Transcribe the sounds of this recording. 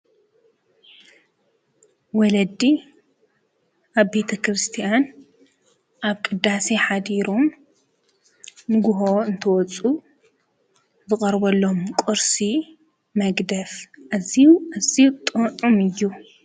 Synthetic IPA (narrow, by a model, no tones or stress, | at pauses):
wɔlɐd̪i | ʔaβbe̞t̪ʰɐkɾɨst̪ʰijan | ʔaβkʼɨd̪ːaseħad̪iɾom | nɨɡʊɦoɨnt̪ʰɐwɔt͡sʼu | zɨkʼɐɾbɐlːomkʼoɾsi | mɐɡd̪ɐfʔaziuaziut̪ʼɨʔʼumɨjːu